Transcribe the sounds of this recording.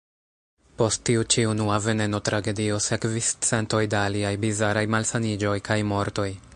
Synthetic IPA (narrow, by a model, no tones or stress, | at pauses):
po̞stːiut͡ʃiunuave̞ne̞no̞tɾaɡe̞dio̞se̞kvist͡se̞nto̞jdaaliajbizaɾajmalsanid͡ʒo̞jkʰajmo̞ɾto̞j